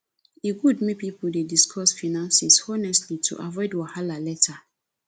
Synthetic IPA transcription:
eɡudmĩpipudediskʰɔsfanãnsisɔnɛstlitʰṵʔavɔɪdwahalalɛtʰa

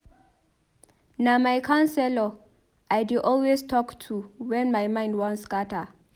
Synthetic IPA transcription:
namajkʰansɛlɔ | ʔajdɪʔɔlwestʰɔktʰuwɛ̃nmajmãɪ̃ndwɔ̃nskata

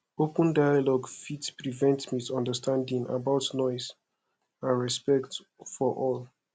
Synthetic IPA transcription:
opə̃ndajalɔɡfitspɹivɛ̃ntmisɔ̃ndəstʰãndĩŋa̰baʊtnɔɪz | ãnɹɛspɛkt | fɔʔɔl

